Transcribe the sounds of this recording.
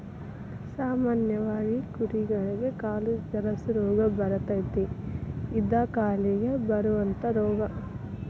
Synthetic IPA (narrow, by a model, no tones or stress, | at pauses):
saːmaːnjɐʋaːɡikuɾiɡɐɭiɡekaːlud͡ʒɐɾɐsuɾɔːɡɐbɐɾɐt̪ɐjt̪e | id̪akaːliɡebɐɾuʋɐnt̪ɐɾɔːɡɐ